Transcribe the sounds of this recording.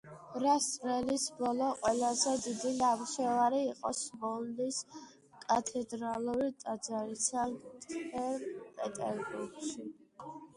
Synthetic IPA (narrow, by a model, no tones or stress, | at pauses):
ɾast̪sʼɾɛlisbɔlɔqʼwɛlazɛd̪id̪inamʃɛvaɾiːqʼɔsmɔld̪is | kʼat̪ʰɛd̪ɾalˠuɾit̪ʼad̪zaɾisaŋkt̪ʼʰɛɾpʼɛt̪ʼɛ̰ɾbuɾɡʃi